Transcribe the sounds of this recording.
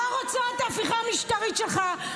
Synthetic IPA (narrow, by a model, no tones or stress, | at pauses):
aʁot͡soet̪aːfiχamiʃtaʁitʃelχa